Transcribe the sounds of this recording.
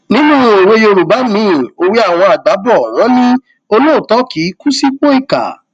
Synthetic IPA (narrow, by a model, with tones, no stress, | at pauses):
nĩ˦nũ˦˧˦e˨we˧jo˧ɾu˨ba˨˦mĩ˨˦˨o˧wi˦a˦˨w̃ɔ̃˧a˨ɡ͡ba˨˦bɔ˦˨w̃ɔ̃˨˦nĩ˦ | o˧lo˦˨tɔ˨˦ki˨˦ku˦si˦k͡po˦i˦˨ka̰˨